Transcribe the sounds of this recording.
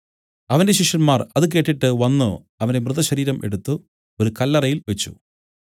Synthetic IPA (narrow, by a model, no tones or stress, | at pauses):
ɐʋɐnde̞ɕiʂɐnmaːrɐðɨk̬e̞ːʈːiʈːɨʋɐnːɨ | ɐʋɐnde̞mrɨðɐɕɐɾiːɾɐmʔe̞̰ɽut̪ːu | oɾukɐlːɐrɐjilʋet͡ɕːṵ